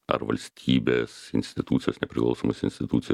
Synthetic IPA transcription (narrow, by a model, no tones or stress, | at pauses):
ɐ̰ɾʋɐ̰lʲsʲt̪ʲʰiːbʲeːsɪ̰nʲsʲt̪ʲɪt̪uːt̪sʲjoːsnʲɛpʲɾʲɪklˠɐ̰ʊsoːmosɪ̰nsʲt̪ʲɪt̪ut̪sʲɪj